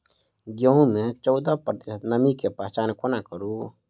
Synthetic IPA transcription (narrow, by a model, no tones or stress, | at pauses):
ɡəɦũmet͡ʃɔʊd̪əpɾət̪isət̪nəmikepat͡ʃankonakəɾu